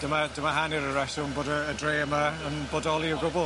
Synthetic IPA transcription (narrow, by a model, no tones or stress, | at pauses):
d̥əmad̥əmaɦanɪɾəɹɛsʊnboːdəːdreːəmaənboːdɔlˠiəɡʊbʊ